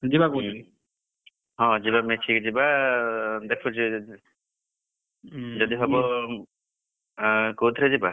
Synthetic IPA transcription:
d͡ʒibakotʰi | ɦɔ̃d͡ʒibamet͡ʃʰikd͡ʒiba | d̪ɛkʰud͡ʒi | d͡ʒɔd̪iɦɔbɔ | kowt̪ʰɾɛd͡ʒiba

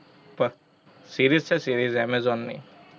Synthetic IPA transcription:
pɐ | siːɾiːzt͡ʃʰɛsiɾizɛmezɔnːḭ

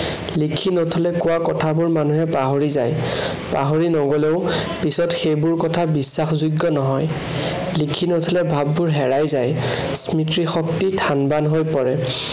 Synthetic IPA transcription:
likʰinotʰɔlɛkʊwakɔtʰabʊɹmanuɦɛpaɦoɹizaj | pa̰ɦoɹinɔɡɔlɛʊpisɔtxejbʊɹkɔtʰabisːaxzuɡːɔnɔɦɔj | likʰinotʰɔlɛbʱabːʊɹɦɛɹajzaj | smitɹixɔktitʰanbanɦojpɔɹɛ

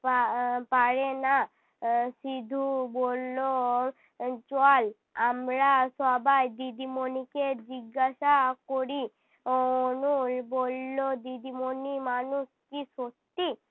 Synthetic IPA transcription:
papaɽena | sid̪ʱubolːo | t͡ʃɔal | amɾasɔbajd̪id̪imoniked͡ʑiɡːaʃakoɾi | onubolːod̪id̪imonimanuskisot̪ːi

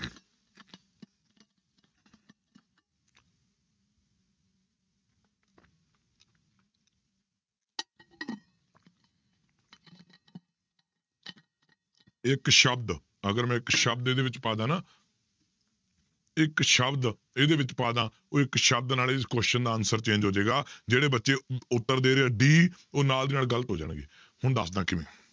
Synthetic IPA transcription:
ɪkʃəbd̪ | əɡəɾmɛ̃ːɪkʃəb̚d̪eːd̪eːʋɪt͡ʃpaːd̪ãːnãː | ɪkʃəbd̪ | ed̪eːʋɪt͡ʃpaːd̪ãː | oːɪkʃəb̚d̪naːleːkoʃɪʃənd̪aːənsəɾt͡ʃẽːɲd͡ʒɦoːd͡ʒeːɡaːd͡ʒeːɽeːbətːʃeːʊt̪ːəɾd̪eːɾeːaːɖiː | oːnaːld̪iːnaːlɡələt̪ɦoːd͡ʒa̰ːɳɡḛː | hʊɳd̪ə̰sd̪ãːkɪʋḛ̃ː

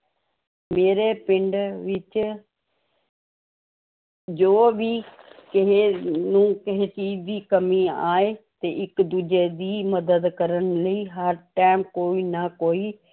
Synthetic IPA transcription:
meːɾeːpɪɳɖʋɪt͡ʃ | d͡ʒoːʋiːkɪɦeːnũːkɪɦeːt͡ʃiːd͡ʒd̪iːkəmiːaːeːt̪eːʔɪkd̪uːd͡ʒeːd̪iːməd̪əd̪kəɾənləiːɦəɾʈaːmkoːiːnaːkoːiː

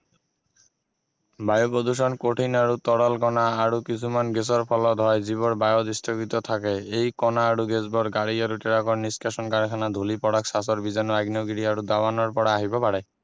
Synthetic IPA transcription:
bajopɾod̪uʃ̬ɔnkoʈʰinaɾut̪ɔɽalkɔnaaɾukisʰumanɡes̬ɔɾpʰɔlɔd̪ʱɔjziβɔɾbajɔd̪ist̪ʰɔkit̪ɔt̪ʰakeejkɔnaːɾuɡezbɔɾɡaɽiɔɾuʈiɾakɔɾniskaʃɔnkaɾkʰanad̪ʱulipɔɽaksasɔɾbizɔnɾaɡnɔɡiɾiaɾud̪abanɔɾpɔɽaaɦibɔpaɽɛ

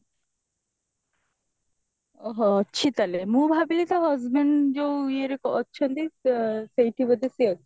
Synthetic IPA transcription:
ɔɦɔːɕʰit̪alemũbʱabilit̪aɦɔzbeɳɖd͡ʒowieɾekɔɔtːʃʰɔnd̪isejʈʰibɔd̪eseɔ

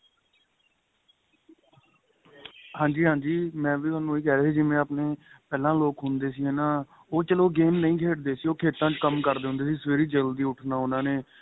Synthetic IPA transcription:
hãːd͡ʒiːɦãːɲd͡ʒiːmɛ̃ːʋiːt̪ʊaːnũːiːkɛːɾeːiːd͡ʒɪmẽːaːpneːpɛːlãːloːkɦʊnd̪eːsiːɦɛːnaː | oːt͡ʃəloːɡeːmnəĩːkʰeːʈd̪eːsiːoːkʰeːt̪ãːt͡ʃkəmkəɾd̪eːɦʊ̃nd̪eːs̬iːsʋeːɾiːd͡ʒəld̪iːʊʈʰnaːʊnãːneː

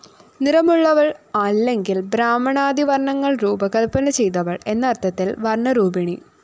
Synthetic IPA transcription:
niɾɐmuɭːɐʋɐɭɐllːe̞ŋɡilbɾaːmɐɳaːd̪iʋɐɾɳɐŋːɐɭruːbɐkɐlpːɐnɐt͡ɕe̞jt̪̬ɐʋɐɭe̞nːɐːrt̪ʰːɐt̪ːilʋɐrɳɐɾuːbiɳi

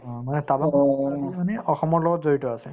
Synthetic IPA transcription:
ɔ̃manɛtabamanɛʔɔxɔmɔɹlɔɡɔtzoɹitɔasɛ

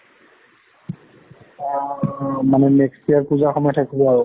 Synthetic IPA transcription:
manɛmɛkstiaɹpuzaxɔmɔjɔtʰakibɔaɹʊ

